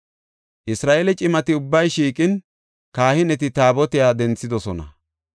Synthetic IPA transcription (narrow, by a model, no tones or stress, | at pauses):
ʔɪsɾaːʔelɛt͡ʃʼɪmɐt̪ɪʊbːɐjʃiːkʼɪn | kaːhɪnɛt̪̬ɪt̪aːbɔt̪ɪjaːd̪ɛnt͡sːɪd̪ɔsɔnɐ̰